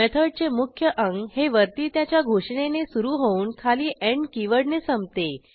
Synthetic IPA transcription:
et̪ʰəɽt͡semukʰjəʔəŋɡheʋəɾt̪iːt̪jat͡ɕjaɡʱoʂɳenesuɾuːɦouːnkʰaliːʔeɳkiʋəɽnesəmt̪e

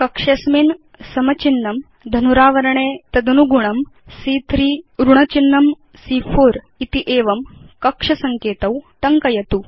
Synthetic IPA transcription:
kɐkʂɐsmin | sɐmɐt͡ʃinːɐm | d̪ʱɐnuɾaːʋɐɾɐɳeːt̪ɐd̪ɐnuɡuɳɐm | siːt̪ʰɾiːɾuɳɐt͡ʃinːɐm | siːpʰoːɾ | it̪iʔeːʋɐmkɐkʂɐsɐŋkeːt̪ɐwt̪ɐŋkɐjɐt̪u

